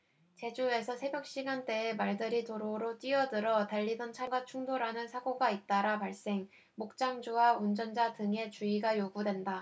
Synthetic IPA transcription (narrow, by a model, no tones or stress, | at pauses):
t͡ɕe̞d͡ʑue̞sʰʌsʰe̞bjʌk̚ɕ͈iɡant͈e̞ːmaɭdɯɾitoɾoɾot͈iʌdɯɾʌtaʎːidʌnt͡ɕʰaŋɡat͡ɕʰuŋdoɾanɯnsʰaɡoɡait̚t͈aɾapaɭs͈e̞ŋ | mok̚t͡ɕ͈aŋd͡ʑuwaund͡ʑʌnd͡ʑadɯŋe̞t͡ɕuiɡajoɡudwe̞nda